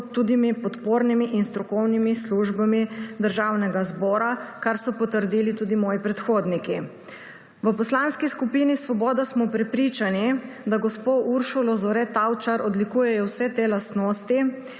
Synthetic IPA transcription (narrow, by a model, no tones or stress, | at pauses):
t̪ːuːd̪imipɔt̪poːɾnimiʔinst̪ɾɔkɔwnimisluʒbamid̪əɾʒawnɛɡazbɔːɾakaɾsɔpɔt̪əɾd̪iːlit̪uːd̪imɔːjipɾɛt̪xoːd̪niki | ʋəpɔslaːnskiskupinisʋɔbɔːd̪asmɔpɾɛpɾiːt͡ʃanid̪aɡɔspoʔuɾʃulɔzɔɾɛt̪awt͡ʃaɾɔd̪likuːjɛjɔwsɛt̪eːlast̪noːst̪i